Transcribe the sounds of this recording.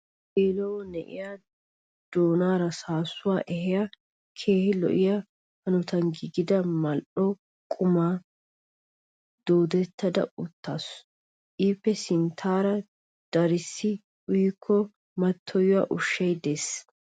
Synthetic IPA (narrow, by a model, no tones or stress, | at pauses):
eːlɔwɔnɛʔɪ̰ja | d̪̥oːnaːɾɐsaːsʊwaːʔɛhɪja | kʰe̞ːhɪlɔ̰ʔɪja | hɐnɔt̪ɐnɡɪɡɪd̪ɐmɐlʔɔ | kʼʊmaː | d̪̥oːd̪ɛt̪ʰːɐd̪ɐ̰ʊt̪ːaːs | ʔiːpːɛsɪnt̪ʰaːɾɐ | d̪̥ɐɾɪsːɪ | ʊjɪkʰːɔ | mɐt̪ʰːɔjʊwaʔʊʃːɐjd̪es